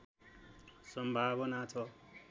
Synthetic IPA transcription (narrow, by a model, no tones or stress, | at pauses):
sʌmbʱabɔnat͡sʰɔ